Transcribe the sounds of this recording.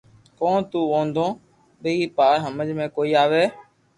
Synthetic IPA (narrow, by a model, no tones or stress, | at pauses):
kõːt̪uːõːnd̪õː | ɓəiːpaːɽɦəməd͡ʒmẽːkoːiːaːʋeː